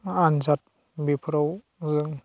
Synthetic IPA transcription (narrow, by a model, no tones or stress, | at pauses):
anzat̚ | bipʰɾɔw | zɯŋ